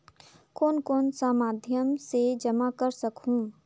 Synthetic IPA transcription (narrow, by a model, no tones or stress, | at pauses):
koːnkoːnsaːmaːd̪ʱjəmsed͡ʒəmakəɾsəkɦũː